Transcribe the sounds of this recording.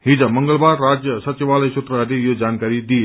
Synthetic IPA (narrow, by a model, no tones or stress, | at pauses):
ɦid͡zaməŋɡəɭbaɾːad͡zjəsət͡ɕiʋaləjsut̪ɾəɾejod͡zankaɾid̪ie